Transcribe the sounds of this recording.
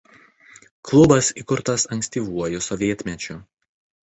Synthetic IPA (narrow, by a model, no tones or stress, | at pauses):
klˠʊbɐsikʊɾt̪ɐsɐŋksʲt̪ʲiːˑʋuɔjʊsɔʋʲiɛt̪ʲmʲɛt͡ʃʲʊ